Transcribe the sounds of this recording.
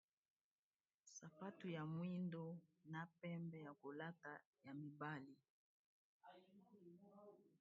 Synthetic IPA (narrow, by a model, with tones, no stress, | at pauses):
sa˨pa˦tu˨ja˨mwi˦ndo˦na˨pɛ˦mbɛ˦ja˨ko˨la˦ta˨ | ja˨mi˨ba˦li˨